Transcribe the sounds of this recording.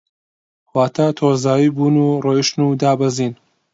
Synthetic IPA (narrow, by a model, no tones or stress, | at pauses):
waːt̪ʰat̪ʰoːzaːjiːbuːnuːrejiʃnuːd̪aːbɐziːn